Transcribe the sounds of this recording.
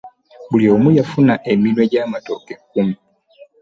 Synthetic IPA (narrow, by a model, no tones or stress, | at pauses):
bulio̞ːmujafunaʔe̞minwe̞ɟaːmato̞kekːumu